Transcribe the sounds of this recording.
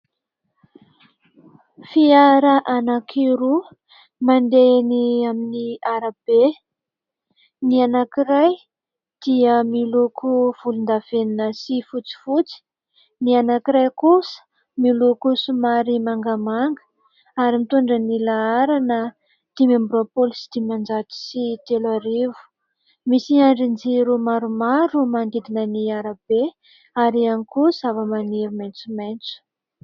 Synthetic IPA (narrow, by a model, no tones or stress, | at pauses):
fiaɾəʔanakʰiɾu | mand̪eniaminiaɾab̥e | nianakiɾaj | d̪̥iəmilukʰuv̥ulund̪av̥eninəsifut͡si̥fut͡si̥ | nianakiɾajkusə̥ | miulukusumaɾimaŋɡamaŋɡə̥ | aɾimit̪uɳɖ͡ʐənilaaɾanə | t̪imambropolsi̥d̪̥imand͡ʒat̪i̥sit̪elaɾivu̥ | misiaɳɖ͡ʐind͡ziɾumaɾumaɾumand̪id̪inəniaɾab̥e | aɾianikuzavəmaniɾumejnt͡sument͡su̥